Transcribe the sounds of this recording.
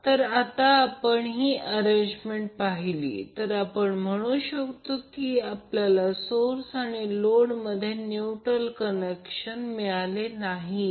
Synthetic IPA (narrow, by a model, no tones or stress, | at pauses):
t̪əɾat̪aːpəɳɦiːʔəɾẽɲd͡ʑmeɳʈ̚paɦilḭːt̪əɾapəɳm̤əɽ̃uːɕəkt̪okiːapljalasoɾsaɽ̃iloɽməd̪ʱːjenjuʈɾəlkənekɕənmiɭalenaɦi